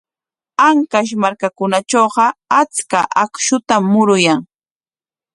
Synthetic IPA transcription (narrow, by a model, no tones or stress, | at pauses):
aŋkaʃ̬maɾkakʊnat͡ʃoːɢɑat͡skaʔakʃʊt̪amːʊɾʊjaŋ